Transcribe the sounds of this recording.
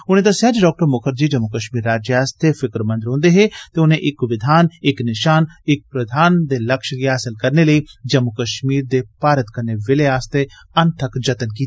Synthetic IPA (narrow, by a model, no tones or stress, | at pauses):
ʊnẽd̪ɐsaːd͡ʒɖɔːk̚ʈəɾmʊkʰəɾd͡ʒiːd͡ʒɐmːukəʃmiːɾaːd͡ʒjaːst̪efɪkɾmə̃nd̪ɪɾɦõːnd̪eɦet̪eʊnẽʔɪkʋɪd̪ʱaːnɪknɪʃaːnɪk̚pɾɐd̪ʱaːnd̪eːlɐkʃɡiɦaːsɪlkɐɾneləiːd͡ʒɐmukəʃmiːɾd̪epaːɾət̪kɐɾneʋɪleaːst̪e | ɐnt̪ʰəkd͡ʒɐt̪ənkiːt̪i